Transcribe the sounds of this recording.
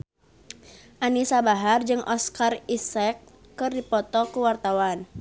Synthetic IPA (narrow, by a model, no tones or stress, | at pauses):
ʔanisabaɦard͡ʒɨŋʔɔskarisɛkː | ɨrdipɔt̪ɔkuwart̪awan